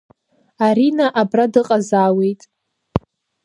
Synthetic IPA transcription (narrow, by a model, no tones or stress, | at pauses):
aɾinaʔabradɨqʼazaːwe̞jtʼ